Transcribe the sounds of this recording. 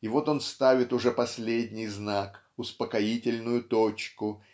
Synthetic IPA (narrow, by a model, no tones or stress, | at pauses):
ɪvo̞t̪o̞nst̪avʲɪt̪ʊʐɛpɐsʲlʲedʲnʲɪjznak | ʊspəkɐitʲɪlʲnʊjʊt̪ot͡ɕkʊ